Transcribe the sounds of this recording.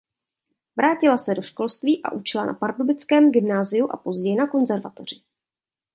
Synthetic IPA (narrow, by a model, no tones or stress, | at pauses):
vɾʔaːcɪlasɛdo̞ʃko̞lst̪viːʔa̰ʔut͡ʃɪlana̰paɾdobɪt͡skɛːmɡɪmnaːzɪjuʔa̰po̞zɟɛjɪnako̞nzɛɾvat̪o̞r̝ɪ